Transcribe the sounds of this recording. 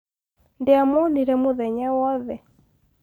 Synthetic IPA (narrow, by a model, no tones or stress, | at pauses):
ndeamɔniɾɛmoðɛɲawɔðɛ